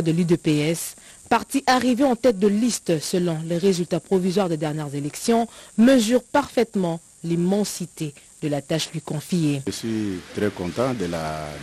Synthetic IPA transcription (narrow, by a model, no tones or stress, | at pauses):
d̪əlyd̪øpeɛspaʁt̪iʔaʁiveɑ̃t̪ɛt̪̚d̪əlist̪səlɔ̃leʁezylt̪apχɔvizwaʁd̪ed̪ɛʁnjɛʁzelɛksjɔ̃məzyʁpaʁfɛt̪mɑ̃ | limɑ̃sit̪ed̪əlat̪aʃlɥikɔ̃fijeəswit̪ɾɛkɔ̃t̪ɑ̃d̪əla̰